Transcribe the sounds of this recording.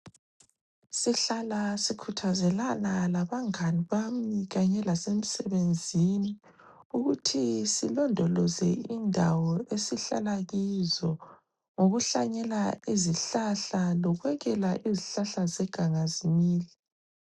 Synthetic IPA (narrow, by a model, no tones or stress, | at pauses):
siɬalasikʰutʰazɛlanalaβaŋaniβamiɣaɲɛlasemisɛβend͡zʱini | uɣutʰisilɔndʱɔlɔzɛindʱawɔesiɬa̰laɣizɔ | ŋoɣuɬaɲɛlaiziɬaɬalɔɣwɛɣɛlaʔiziɬaɬazɛɡ̥ʱaŋazimiːli